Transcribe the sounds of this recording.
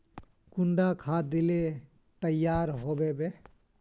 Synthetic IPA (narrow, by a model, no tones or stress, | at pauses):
kʊɳɖakʰãːd̪ɪle | t̪əjːaːɾɦoːbebe